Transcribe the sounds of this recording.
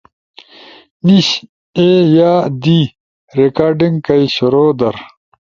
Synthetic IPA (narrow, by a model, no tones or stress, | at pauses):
niɕ | ejaːd̪i | ɾekaːɾɖiŋɡkɐjɕuɾoːd̪ɐɾ